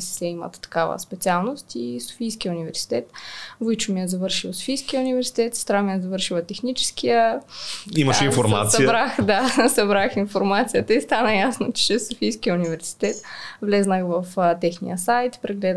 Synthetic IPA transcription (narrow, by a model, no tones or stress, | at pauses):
ssɛimə̰t̪t̪ːɐ̥kavə̰spɛt̪sialˠnost̪iso̥fijskijəunivɛɾsi̥t̪ɛt̪vojt͡ʃʊmijəzɐvɤɾʃilˠso̥fijskijəunivɛɾsi̥t̪ɛt̪st̪ɾamijəzɐvɤɾʃilˠət̪ɛxnit͡ʃɛ̥skijə | iməʃɛinfoɾma̰t̪ssɐibɾaxd̪asɐbɾaxinfoɾmat̪sijət̪əist̪anəjasnot͡ʃt͡ʃɛsofijskijəunivɛɾsi̥t̪ɛt̪vlɛznəxvɐft̪ɛxnḭjəsajt̪pɾɛɡlɛd̪